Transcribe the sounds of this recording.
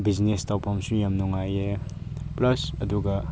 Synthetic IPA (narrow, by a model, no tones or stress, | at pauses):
bid͡ʒnestɔpʰɐmsujɐmnɔŋajeplɐsɐduɡɐ